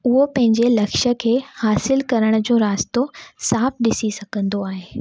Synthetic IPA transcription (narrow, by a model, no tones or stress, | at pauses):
ʊɦopɐ̃ɦɪ̃ɲd͡ʑelɐkʃə̆kʰeːhaːsɪlkɐɾəɽ̃ʊ̆d͡ʑõːɾaːst̪osaːfɗɪsisɐɡʱə̃nd̪oaːɦeː